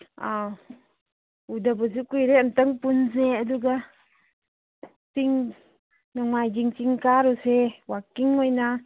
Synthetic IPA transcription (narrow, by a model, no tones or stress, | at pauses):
a | udap̬əs̬ikujɾɛənt̪əŋpuns̬eəduɡa | siŋ | naŋmajd͡ʒiŋt͡ʃiŋkaɾusewakiŋɔjna